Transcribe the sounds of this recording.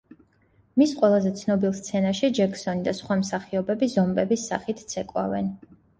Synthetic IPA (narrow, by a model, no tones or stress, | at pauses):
misqʼwɛlˠazɛt̪sʰnɔbilˠst̪sʰɛnaʃid͡ʒɛkʰsɔnid̪asχwamsaχiɔbɛbizɔmbɛbisːa̰χit̪ʰt̪sʰɛkʼwa̰vɛ̰n